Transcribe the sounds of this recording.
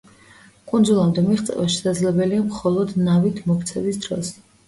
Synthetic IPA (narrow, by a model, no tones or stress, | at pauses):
kʼund̪zulˠamd̪ɛmiʁt̪sʼɛ̰vaʃɛ̥sad̪zlɛbɛliamχɔlˠɔd̪navit̪ʰmɔkʰt̪sʰɛbisd̪ɾɔ̰s